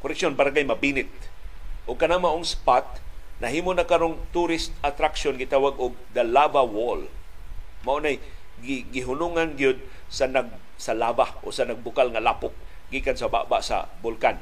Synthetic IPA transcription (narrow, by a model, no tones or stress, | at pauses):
koɾɛk̚ʃjonpaɾaɡajmɐbinɪt̪̚ʔʊɡ̚kɐnaŋmaʔʊŋspat̪̚nɐɦiːmonakaɾont̪uɾɪst̪̚at̪ɾakʃonɡɪt̪awaɡʊɡ̚d̪alavawol | maʔonaj | ɡɪɡɪɦʊnuŋanɡijod̪̚ | sanaɡ̚ | salavaʔosanaɡ̚bʊkalŋalapʊk̚ | ɡikansaba̰ʔba̰ʔsa̰bʊlkan